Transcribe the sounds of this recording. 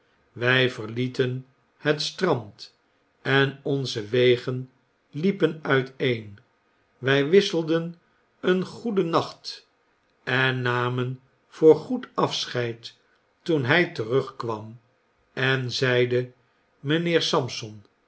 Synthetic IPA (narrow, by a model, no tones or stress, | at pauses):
ʋɛjvəʁlitən | hətstrɑmt | ɛnɔnzəʋeɪχən | lipənœɥtejn | ʋɛjʋɪsəlˠdən | ənχudənɑχt | ɛnːaːmən | v̥ʊːɹχutɑfsχɛjt | tunɦɛjtəʁɵχkʋɑm | ɛnzɛjdə | mənɪːɹsɑmsɔn